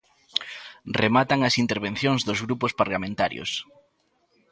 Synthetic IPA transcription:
remat̪aŋɐsint̪eɾβ̞en̟θjoŋzðozɣɾupospaɾlamẽnt̪aɾjo̰s

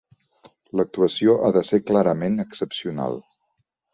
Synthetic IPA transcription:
lək̚t̪uəsioʔaðəseklaɾəmenəksəpsiuna̰lˠ

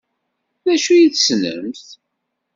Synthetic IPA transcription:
ðæʃujiθsnə̰mθ

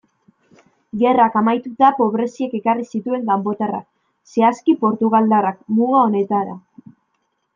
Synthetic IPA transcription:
ɡe̞rakamajt̪ut̪apo̞β̞ɾe̞sie̞ke̞karisit̪ue̞ŋɡambo̞t̪era̰k | se̞askipo̞ɾt̪uɣ̞ald̪arakmuŋao̞ne̞t̪aɾa̰

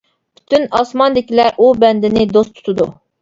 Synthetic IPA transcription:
pʰy̥t̪ynɑsmɑnd̪ɪkʲilɛʔubɛnd̪ɪnɪd̪ost̪ʰu̥t̪ʰud̪u

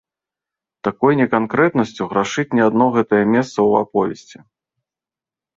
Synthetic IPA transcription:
t̪akɔjnʲɛkankɾɛt̪nɐsʲt͡sʲuɣɾaʂɨt͡sʲnʲɛad̪nɔɣɛt̪ɐjɐmʲɛst̪sɐwapɔvʲɛsʲt͡sʲi

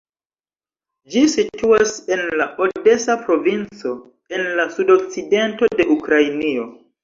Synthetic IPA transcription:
d͡ʒisituase̞nlaʔode̞sapɾo̞vint͡so̞ | e̞nlasudo̞k̚t͡side̞nto̞de̞ʔukɾajnio̞

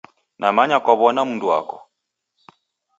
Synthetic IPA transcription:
nʔamaɲakwaβɔnamundua̰kɔ

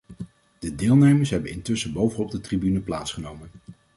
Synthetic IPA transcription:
d̥ədɪːlˠnejməɹsɦɛbənɪ̰ntɵsəbowvənɔb̚dətribynəplaːtsχənowmən

